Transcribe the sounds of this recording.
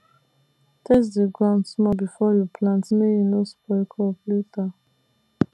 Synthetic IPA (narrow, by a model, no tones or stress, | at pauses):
tʰes̬diɡɹãnsmɔbifɔjupʰlãntmejinospɔkʰɔfleta